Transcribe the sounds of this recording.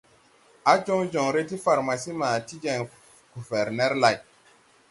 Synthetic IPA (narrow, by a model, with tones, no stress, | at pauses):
a˦d͡ʒɔ˦ŋd͡ʒɔ˨ŋɾe˦ti˦fa˨ɾma˨si˦ma˨ti˦d͡ʒɛ˨ŋ | ɡ̥u˨vɛ˨ɾnɛ˦ɾla˨j